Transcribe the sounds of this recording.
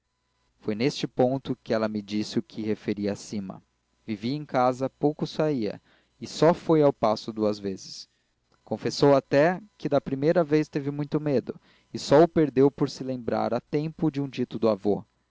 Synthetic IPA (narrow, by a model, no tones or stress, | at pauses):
fojnest͡ʃɪpõnt̪ʊkɪɛlɐmɪd͡ʒisɪʊkʰɪhefeɾiɐasĩmɐ̰ | viviẽkazɐpowkʊsaiɐ̰ | ɪsɔfojawpasʊd̪uɐzvezɪs | kõfesowat̪ɛkɪd̪ɐpɾimejɾɐvejst̪evɪmũj̃t̪ʊmed̪ʊ | ɪsɔʊpeɾd̪ewpoɾsɪlẽmbɾa̰ɾat̪ẽmpʊd͡ʒɪũd͡ʒit̪ʊd̪ʊavo